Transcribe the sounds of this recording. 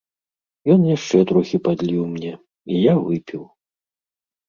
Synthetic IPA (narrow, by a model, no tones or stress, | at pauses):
jɔnjaʂt͡ʂɛt̪ɾuxʲipad̪ʲlʲiwmnʲɛ | ijavɨpʲiw